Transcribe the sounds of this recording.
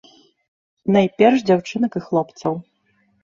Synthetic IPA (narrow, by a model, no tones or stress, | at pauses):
nɐjpʲɛrʂd͡zʲawt͡ʂɨnɐkɨxlˠɔpt̪sɐw